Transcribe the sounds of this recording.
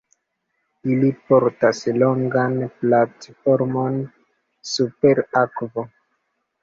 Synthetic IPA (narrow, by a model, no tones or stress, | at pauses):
ilipoɾtaslo̞ŋɡanplatfo̞ɾmo̞n | supe̞ɾakvo